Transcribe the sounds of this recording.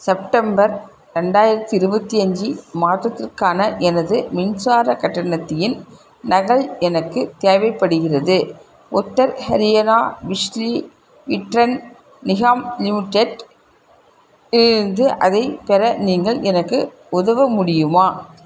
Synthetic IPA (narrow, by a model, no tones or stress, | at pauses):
sɛp̚ʈɐmbɐɾ | ɾɛɳɖaːjɪɾɐt̪ːɯɪɾɯbɐt̪ːiɐɲd͡ʒɯmaːt̪ːɐt̪ːɪrkaːnɐʔɛnɐðɯmɪnsaːɾɐkɐʈːɐɳɐt̪ːɐjɪn | nɐɣɐɭɛnɐkːɯt̪eːʋɐɪpːɐɽɯɣɪrɐðɯ | ʔʊt̪ːɐɾhɐɾɪjɐnaːʋɪʂli | ʋɪʈɾɐn | nɪɣaːmlɪmɪʈːeʈ | ɪɾɯnd̪ɯʔɐðɐɪpɛɾɐniːŋɡɐɭʔɛnɐkːɯ | ʊðɐʋɐmʊɽɪjɯmaː